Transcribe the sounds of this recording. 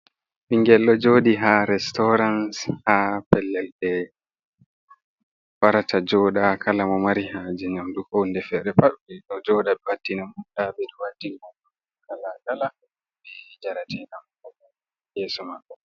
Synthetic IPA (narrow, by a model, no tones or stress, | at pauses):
ɓiŋɡɛlːɔd͡ʒodiɦaɾɛstɔɾanshapɛlːɛlɗɛ | waɾatʰad͡ʒɔɗakʰalamɔmaɾihad͡ʒɛɲamdukɔndɛfɛɗɛpaɗɓɛɗɔd͡ʒɔɗaɓɛwatːinamutabɛɗɔwatːinaɔ | kaladala | bɛd͡ʒaɾatɛnamkɔka | jɛːsɔmakːɔ